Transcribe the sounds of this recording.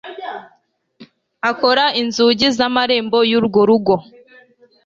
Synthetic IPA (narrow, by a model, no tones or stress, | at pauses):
ako̞ɾainzuːɟizamaɾe̞ːmbo̞juɾuɡoɾuɡo̞